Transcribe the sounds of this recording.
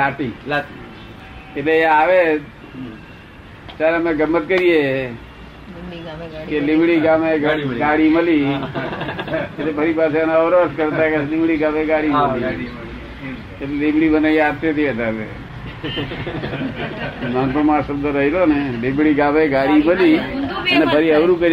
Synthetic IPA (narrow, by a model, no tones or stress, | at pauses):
laʈi | etleeaʋe | t̪jaɾeəmẽɡəmːət̪̚kəɾije | kelɪmbɽiɡameɡaɡaɽiməli | et̪ebʱəɾipaseənaəʋɾʋəskəɾt̪akelɪ̃mbɽiɡameɡaɽiməli | ellɪ̃mbɽibənejat̪et̪ʰiət̪atḛ | manpəmasəbd̪əɾəɦilonelɪmbɽiɡameɡaɽiməliənebʰʱəɾiəʋɾũkəɾ